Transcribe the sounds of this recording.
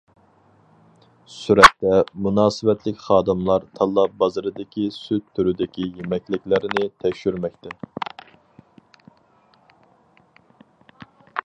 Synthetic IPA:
syɾɛt̪ːɛmunɑːsɨvɛt̪ʰlɪkʲχɑːd̪ɨmlˠɑɾt̪ʰɑlˠːɑbɑzɨɾɨd̪ɪkʲʰisyt̪ʰːyɾyd̪ɪkʲijemɛkʲlɪkʲlɪɾɪnɪt̪ʰɛkʲʃyɾmɛk̚ʲt̪ɛ

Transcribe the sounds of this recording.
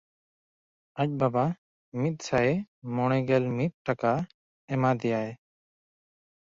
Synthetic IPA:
ac̚baba | mit̪̚ˀsaɛmɔɽ̃ɛɡɛlmit̪̚ʈaka | ɛmad̪ɛjaɛ

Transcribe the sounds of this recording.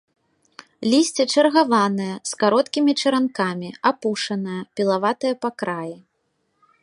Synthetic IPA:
lʲisʲt͡sʲɛt͡ʂɐrɣavanɨjɐskaɾɔt̪kʲimʲit͡ʂɐɾankamʲiapuʂɐnɨjɐpʲilˠavat̪ɨjɐpakɾaji

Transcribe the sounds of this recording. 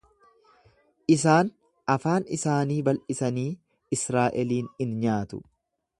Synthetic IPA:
ʔɪs̬aːn | ʔɐfaːnɪsaːniːbɐlʔɪsɐniː | ɪsɾaːʔɛliːnɪnɲaːt̪ʊ̰

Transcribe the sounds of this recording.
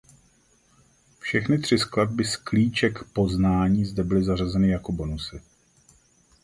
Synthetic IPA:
fʃɛxnɪt̪r̝̥ɪsklad̚bɪskliːt͡ʃɛkpo̞znaːɲiːzdɛbɪlɪzar̝azɛnɪjako̞bo̞nusɪ

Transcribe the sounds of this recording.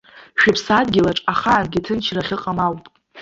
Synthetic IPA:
ʃᶣɪpʰsadɡʲɪlaʈ͡ʂʼaχaːnɡʲitʰɨnt͡ʃʰraχʲɪqʼamawpʼ

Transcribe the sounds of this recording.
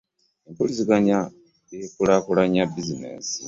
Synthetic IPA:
empuliziɡanja | ekulakulaɲabizinḛːnsi

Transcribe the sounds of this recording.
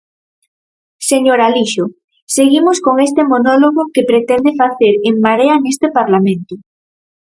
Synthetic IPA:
seɲoɾaliʃo | seɣimoskoŋest̪emonoloɣokepɾet̪end̪efaθeɾeŋmaɾeanest̪epaɾlamẽnt̪o

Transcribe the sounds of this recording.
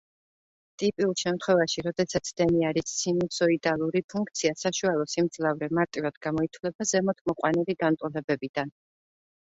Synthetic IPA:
t̪ʼipʼiulˠʃɛmt̪ʰχwɛvaʃiɾɔd̪ɛsat̪sʰd̪̥ɛniaɾissʰinusɔid̪alˠuɾipʰuŋkʰt̪sʰiasaʃualˠɔsimd̪zlavɾɛmaɾt̪ʼivad̪ɡamɔit̪ʰwlɛbazɛmɔt̪ʰmɔqʼwaniliɡant̪ʼɔlɛbɛbid̪̥an

